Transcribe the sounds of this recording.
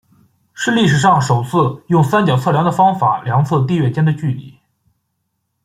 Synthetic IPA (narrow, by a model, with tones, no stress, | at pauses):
ʂɻ̩˥˧li˥˩ʂɻ̩˨˩ʂɑ˥˩ŋʂo˨˩ʊt͡sʰɹ̩˥˧jʊ˥˩ŋsa˥nt͡ɕjɑ˨˩ʊt͡sʰɤ˥˩ljɑ˧˥ŋd̪ə˧fɑ˥ŋfa̰˨˩ljɑ˧˥ŋt͡sʰɤ˥˧t̪̬i˥˧ɥɛ˥˩t͡ɕjɛ˥nd̪ə˨t͡ɕy˥˩lḭ˨˩˦